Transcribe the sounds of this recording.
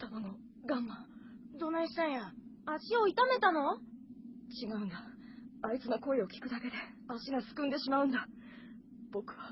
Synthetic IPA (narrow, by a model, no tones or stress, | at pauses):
t̪anano | ɡãmːãd̪o̞naĩɕi̥t̪ãɰ̃ja | aɕio̞it̪ame̞t̪ano̞ | t͡ɕiɡaɯ̃nd̪a | ait͡sɨnoko̞eo̞kʲi̥kɯ̟d̪ake̞d̪e̞aɕiɡasɨ̥kɯ̃nd̪e̞ɕimaɯ̟̃nd̪a | b̥o̞kɯ̟̥βa